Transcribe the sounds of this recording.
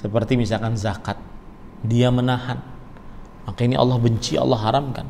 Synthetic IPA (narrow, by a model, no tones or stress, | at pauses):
səpərt̪imisalkanzakat̪̚ | diamənahan | makainiʔɑ̰lːɔhbəɲt͡ʃiɑ̰lːɔɦːaɾamka̰n